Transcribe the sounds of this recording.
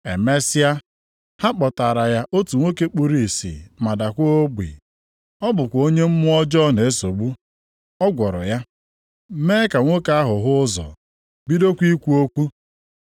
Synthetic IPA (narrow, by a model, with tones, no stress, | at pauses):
ḛ˨me˦sɪ˦a˦ | ha˦k͡pɔ˨ta˨ɾa˨ja˦ʔo˦tu˨ŋʷo˦ke˦k͡pu˦ɾi˦˨sḭ˨ma˨da˨kʷo˦o˦ɡ͡bʷḭ˨ | ɔ˦bʊ˨kʷo˦ɲe˦m̩˦mʊ˦ɔ˦d͡ʒɔ˦ne˨e˦so˨ɡ͡bu˦ | ɔ˦ɡʷɔ˨ɾɔ̰˨ja˦ | me˦ka˨ŋʷo˦ka˦ɦʊ˨ɦʊ˦zɔ̰˨ | bi˦do˦kʷi˦kʷu˦o˦kʷu˦